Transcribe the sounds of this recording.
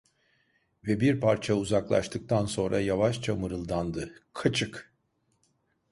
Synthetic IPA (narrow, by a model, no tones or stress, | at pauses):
vɛbiɾpʰaɾt͡ʃʰauzaklˠa̰ʃt̪ʰɯk̚t̪ʰanso̞nɾʔajavaʃt͡ʃʰamɯɾɯlˠd̪and̪ɯkʰat͡ʃʰɯk